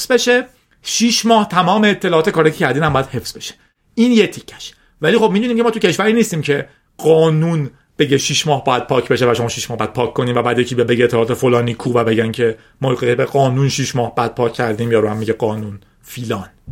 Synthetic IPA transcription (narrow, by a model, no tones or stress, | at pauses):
z̥beʃe | ʃiʃmɒːht̪ʰæmɒːmeːt̪ʰːelɒːɒːt̪e̞kʰɒːɾɑjcʰecʰæɾd̪iːnæmbɒːjæd̪he̞fz̥be̞ʃe̥ | iːnjet̪ʰicʰːæ̥ʃ | væliːxo̞b̚mid̪uniːmcʰʲemɒːt̪ʰucʰe̞ʃvæɾiːniːst̪iːmcʰe̞ | ɢɒːnun | b̥eɟeʃiʃmɒːhbɒːjæd̪̚pʰɒːcʰbe̞ʃevæʃo̞mɒːʃiʃmɒːhbɒjæd̪̥̚pʰɒːkʰkːoniːmvæbæːd̪jecʰibbeɡɟet̪ʰːelɒːt̪efolɒːniːkʰuvæbe̞ɟæncʰe̞ | mɒːɣebeɣɒːnunʃiʃmɒːhbæd̪̚pʰɒːcʰːæɾd̪iːmjɒːɾuːhæmːiɟeɢɒːnun | fiːlɒːn